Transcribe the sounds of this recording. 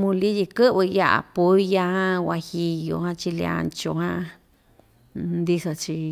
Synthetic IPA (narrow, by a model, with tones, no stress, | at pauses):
mũ˧li˦ji˧kɨ˦βɨ˧ja˦ʔa̰˧pu˧˦ja˧hã˦wa˧hi˧jo˧˨hã˦t͡ʃi˧li˧a̰˧nt͡ʃo˧hã˦˧ | nd̪i˧so˧t͡ʃi˧